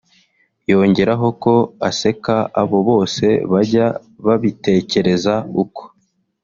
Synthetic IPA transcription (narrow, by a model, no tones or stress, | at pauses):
jo̞ːɲɟe̞ɾaɦo̞ko̞ase̞kaaβo̞βo̞ːse̞̰βaɟa | βaβite̞ːce̞ɾe̞zauko̥